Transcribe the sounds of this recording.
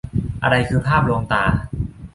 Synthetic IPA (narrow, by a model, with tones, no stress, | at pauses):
ʔa̰˧ɾa˧jkʰɯː˧pʰaː˥˩p̚loː˧ŋt̪aː˧˩